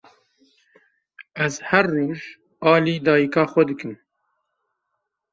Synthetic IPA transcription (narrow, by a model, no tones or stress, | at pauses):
ɛzhɛrːoːʒ | ɑːliːd̪ɑːjikɑːxʷɛd̪ɨkɨm